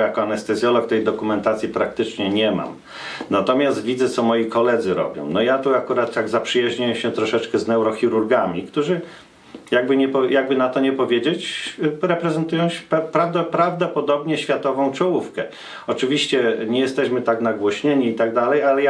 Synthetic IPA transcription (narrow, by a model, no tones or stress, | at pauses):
jakɔanɛst̪ɛzʲjɔlɔkt̪ɛjd̪ɔkumɛnt̪at̪sʲjipɾak̚t̪ɘt͡ʂɲɛɲɛma̰m | nat̪ɔmʲjast̪vʲizɛt̪sɔmɔjikɔlɛd̪zɘɾɔ̰bʲjɔ̰̃w̃nɔjat̪uakuɾat̪ːaɡzapʂɘjaʑɲajɛɕɛt̪ɾɔʂɛt͡ʂkɛznɛwɾɔxʲiɾuɾɡamʲikt̪uʐɘ | jaɡ̚bɘɲɛpɔjʔaɡ̚bɘnat̪ɔɲɛpɔvʲjed͡ʑet͡ɕɾɛpɾɛzɛnt̪ujɔ̃w̃ɕpɛpɾavd̪ɔpɾavd̪ɔpɔd̪ɔbɲɛɕfʲjat̪ɔvɔ̃w̃t͡ʂɔwufkɛ | ɔt͡ʂɘvʲiɕt͡ɕɛɲɛjɛst̪ɛɕmɘt̪aknaɡwɔɕɲeɲiːt̪aɡ̚d̪alɛjalɛja